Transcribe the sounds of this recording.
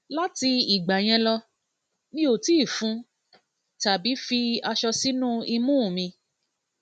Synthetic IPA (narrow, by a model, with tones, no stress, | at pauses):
la˦ti˧i˨ɡ͡ba˨j̃ɛ̃˧lɔ˧ | nĩ˦o˨ti˦˨fũ˨˦ | ta˨bi˨˦fi˧a˧ʃɔ˧si˦nũ˦i˧mũː˦˨mĩ˧